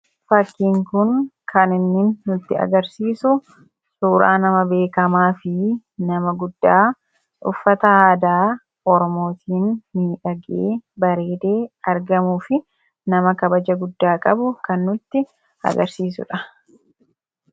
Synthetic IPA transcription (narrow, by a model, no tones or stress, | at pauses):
fɐkːiːŋkʊnkʰɐnɪnːɪːnːʊt̪ːɪɐ̰ɡɐɾsiːsʊ | suːɾa̰ːnɐmɐbe̞ːkɐmaːfɪ | nɐmɐɡʊd̪ːaː | ʊ̰fːɐt̪ɐaːd̪aː | ʔɔɾɔmo̞ːt̪ʰiːnːiːᶑɐɡeːbɐɾe̞ːd̪eːɐɾɡɐmuːfɪ | nɐmɐkɐbɐd͡ʒɐɡʊd̪ːaːkʼɐbʊkɐnːʊt̪ːɪ | ɐ̰ɡɐɾsiːs̬ʊ̰ᶑɐ